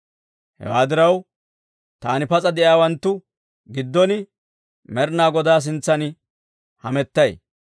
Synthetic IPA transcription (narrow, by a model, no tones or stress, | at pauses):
hɛ̰waːd̪ɪɾɐw | t̪aːnɪpɐt͡sʼɐd̪ɛʔjaːwɐnt̪ːʊ | ɡɪd̪ːɔnɪ | mɛɾnaːɡɔd̪aːs̬ɪnt͡sːɐnɪ | hɐmɛt̪ːɐj